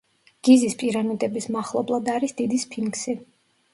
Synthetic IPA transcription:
ɡ̥izispʼiɾanid̪ɛbismaχlˠɔblˠad̪aɾisd̪id̪ispʰiŋksi

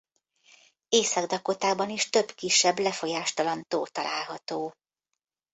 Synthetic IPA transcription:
eːsɒɡd̪ɒko̞t̪aːbɒniʃt̪ø̞bkiʃːɛblɛfo̞jaːʃt̪ɒlɒnt̪oːt̪ɒlʔa̰ːlɦɒt̪oː

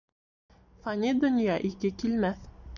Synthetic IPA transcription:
fɐnʲid̪ŏnʲjɑʔikɘkilmæθ

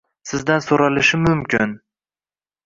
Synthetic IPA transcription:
sɪzd̪ansoɾalɪʃɪmʊmkʲʰɪn

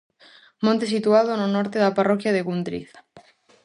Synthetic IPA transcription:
mõnt̪es̬it̪uað̞ononɔɾt̪eðaparɔkjaðeɣund̪ɾḭθ

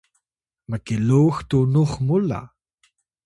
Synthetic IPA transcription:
makiluːxtunuχmula̰

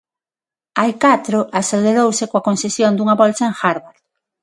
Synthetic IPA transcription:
ajkat̪ɾʊʔaseleɾowsɪkoakonsesjond̪uŋɐβɔlsaeŋxaɾβaɾ

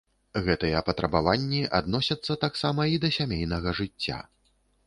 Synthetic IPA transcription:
ɣɛt̪ɨjɛɐpɐt̪ɾɐbavanʲːiʔa̰d̪nɔsʲɐt̪sːɐt̪aksamɐid̪ɐsʲamʲejnɐɣɐʐɨt͡sʲːa̰

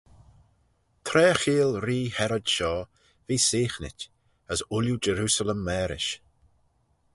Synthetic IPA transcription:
t̪ʰɾɛːxiːlɾiːhɛɾɔdʃɔː | viːsiːxnɪ̰tʲ | əsʊljud͡ʒəɾuːsələmːɛːɾɪ̰ʃ

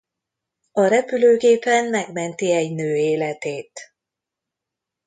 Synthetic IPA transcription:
ɒɾɛpyløːɡeːpɛnmɛɡmɛnt̪iɛɟnøːeːlɛt̪eːt̪

